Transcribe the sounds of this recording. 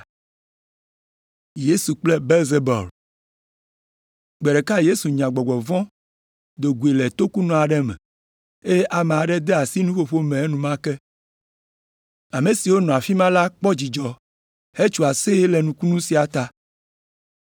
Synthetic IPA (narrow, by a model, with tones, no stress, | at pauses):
je˦su˨k͡ple˦be˦lze˦bɔ̰˨l | ɡ͡bɛ˨ɖe˨ka˦je˦su˨ɲã˨ɡ͡bɔ˨ɡ͡bɔ˨vɔ̃˦ | d̪o˨ɡu˨e˨le˨t̪o˦ku˦nɔ̃˨a˨ɖɛ˦mɛ̰˨ | e˦ʔa˨mẽ˨a˨ɖɛ˦d̪e˦a˨si˦nũ˦ɸo˦ɸo˦mẽ˨e˦nũ˨mã˦kɛ˦ | a˨me˨si˨wo˦nɔ̃˨a˨fi˦mã˦la˦k͡pɔ˦d͡ʑi˨d͡ʒɔ˨ | he˦t͡ʃu˨a˨se˦le˨nũ˨ku˦nũ˦si˨a˨t̪a˦